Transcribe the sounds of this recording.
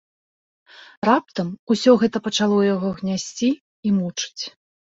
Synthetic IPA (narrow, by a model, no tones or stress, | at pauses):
rap̚t̪ɐmusʲɔɣɛt̪ɐpɐt͡ʂalˠɔjaɣɔɣnʲasʲt͡sʲiː | mut͡ʂɨ̥t͡sʲ